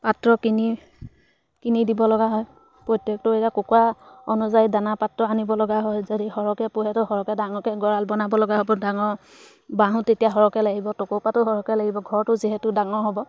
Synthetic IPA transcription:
patɹɔkini | kinidibɔlɔɡaɦɔj | pɹɔtjɔk̚tʊejakʊkaɔnuzajidanapatɹɔanibɔlɔɡaɦɔjzadihɔɹɔkɛpʊɦɛtʊɦɔɹɔkɛdaŋɔkɛɡɔɹalbɔnabɔlɔɡaɦɔbɔdaŋɔɹ | baɦũtetijaɦɔɹɔkɛlaɡibɔtɔkopatʊɦɔɹɔkɛlaɡibɔɡʱɔɹtʊziɦɛtʊdaŋɔɦɔbɔ

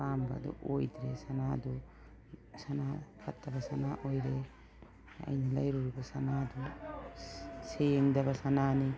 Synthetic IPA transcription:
amba̰d̪ṵʔojd̪ɾesanad̪u | sanapʰat̪ːabasanaʔojɾe | a̰jnalɐ̰jɾuɾubasanad̪u | seŋd̪abasanani

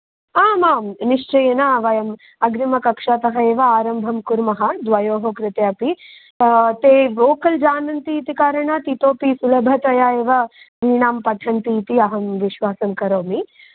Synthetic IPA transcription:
aːmaːmniʂt͡ʃɐjɐnaʋɐjɐm | ɐɡɾimɐkɐkʂaːt̪ɐɦɐeːʋɐaːɾɐmbʱɐmkuɾmɐɦɐd̪ʋɐjoːɦokɾɪt̪japi | t̪eːʋoːkɐld͡ʒaːnɐnt̪iːt̪ikaːɾɐɳat̪it̪oːpisulɐbʱɐt̪ʋɐjaːeːʋɐ | ʋiːɳaːmpɐʈʰɐnt̪iːt̪iɐɦɐmʋiʃʋaːsɐmkɐɾoːmi

